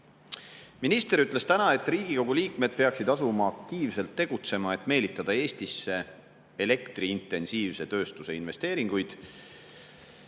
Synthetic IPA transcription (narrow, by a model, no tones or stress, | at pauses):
minist̪e̞ɾyt̪ːˑle̞st̪ænɑe̞t̪ːˑriːɡ̥iko̞ɡ̥uliːkme̞d̪̥̚pe̞ɑksid̪ɑsumɑːk̚t̪iːvse̞lt̪ːe̞ɡ̥ut̪se̞mɑe̞t̪ːˑme̞ːlit̪ːˑɑd̪̥ɑe̞ːst̪isːe̞ | ele̞kt̪riint̪ːˑe̞nsiːvse̞t̪ø̞ːst̪use̞inve̞st̪e̞ːɾiŋɡ̥ujd̪̥